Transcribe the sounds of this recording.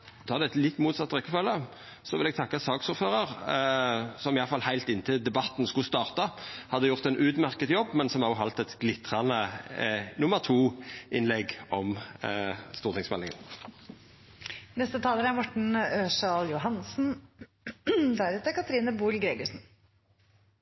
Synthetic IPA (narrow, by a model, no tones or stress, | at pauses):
t̪ʰɑːʁd̪ɛɛt̪lɪt̪ːmuːt̪sɑt̪ːʁɛkːəfølːə | sɔʋɪlɛɡ̚t̪ʰɑkːɑsɑːksʊʁføːʁɑʁ | sɔmɪjɑləfɑlhæɪlt̪ɪnət̪ʰɪld̪ɛbɑt̪ːn̩skʊst̪ɑːʁt̪ɑhɑd̪ːəjʊʁt̪ɛnʔʉːt̪mæʁkət̪jɔbːmɛnsɔmæʁɔɦɑlt̪ɛt̪ɡlɪt̪ʁɑnə | nʊməʁt̪ʰuːʔɪnlɛɡɔm | st̪uːʁt̪ʰɪŋsmɛlɪŋə̰n | nɛst̪ət̪ʰɑːləɾæmɔʈɳ̩øːʂɑːljʊɦɑnsn̩ | d̪æɾʉt̪əkʰɑt̪ɾiːnəbuːlɡɾeːɡʊʂn̩